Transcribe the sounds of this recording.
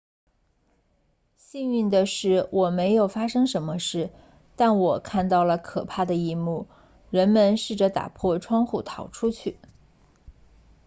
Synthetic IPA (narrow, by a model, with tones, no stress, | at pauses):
ɕi˥˧ŋy˥˩nd̪ə˩ʂɻ̩˥˩wɔ˨˩me˧˥ɪjo˨˩ʊfa˥ʂɤ˥ŋʂə˧˥nmə˧ʂɻ̩˥˩ | t̪a˥˩nwɔ˨˩kʰa˥˧nt̪ɑ˥˩ʊlə˩kʰɤ˨˩pʰa˥˩d̪ə˩i˥˧mu˥˩ | ɻə˧˥nmə˧nʂɻ̩˥˩ʈ͡ʂə˩t̪a̰˨˩pʰwɔ˥˧ʈ͡ʂʰwɑ˥ŋxu˥˩t̪ʰɑ˨˩ʊʈ͡ʂʰu˥t͡ɕʰy˥˩